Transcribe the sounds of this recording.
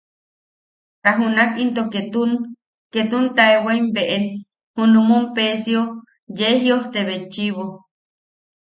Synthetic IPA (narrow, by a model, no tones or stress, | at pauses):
kaɦunakint̪oket̪un | ket̪unt̪aeweimbeʔe | hunumumpesio | jeɦjioht̪eβet͡ʃiβo